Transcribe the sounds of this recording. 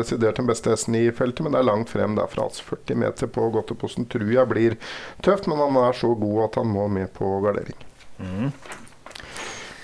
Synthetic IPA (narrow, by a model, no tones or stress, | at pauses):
ɛsɪd̪eːʈ̚d̪ɛnbɛst̪əɛsn̩ɪfɛlt̪əmɛnd̪ɛæɭɑŋt̪fɾɛ̰mːd̪æ̰æɾfɾɑ̰ɑ̰lsɔ̥fœʈːɪmḛːt̪ʰəɾpʰɔɡɔt̪ːəpʰʊst̪n̩t̪ʰɾʉːjæɪblɪɾt̪ʰœft̪mɛnhɑnæʂɔɡuːɑt̪hɑnmoːmɛːpʰɔɡɑɖḛːɾɪ̰ŋ